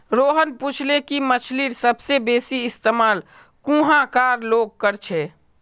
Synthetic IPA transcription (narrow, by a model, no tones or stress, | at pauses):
ɾoɦənput͡ʃʰlekimət͡ʃʰliɾsəbsebesiɪst̪emaːl | kũɦãkaɾloɡ̚kəɾt͡ʃʰɛ